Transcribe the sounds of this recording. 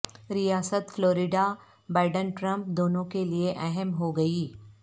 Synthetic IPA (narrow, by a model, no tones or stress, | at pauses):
ɾijaːsət̪floːɾɪɖa | baːɪɖənʈɾɐ̃mp̚d̪oːnõkelieʔɛɦəmɦoɡɐiː